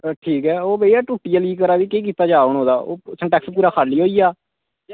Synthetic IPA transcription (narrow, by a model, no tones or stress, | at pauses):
ʈʰiːkɛːoːbeaːʈuːʈːijaːliːkəɾaːʋiːkeːk̬iːt̪aːd͡ʒaːoɳɦoːd̪aːo̰ːsʰə̃ɳʈɛːkspuːɾaːkʰaːliːɦoːiːaː